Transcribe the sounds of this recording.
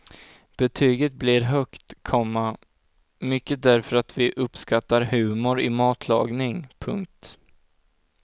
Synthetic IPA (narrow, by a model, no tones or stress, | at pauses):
b̥ɛt̪ʰyːɡət̪̚blɪɾɦœkt̪kʰɔmːa | mʏkːəd̪æɾfœɾat̪vɪʔɵpːskat̪ːaɾɦʉ̟ːmʊɾɪmɑːt̪ʰlɑ̰ːɡnɪŋpʰɵ̰ŋk̚t̪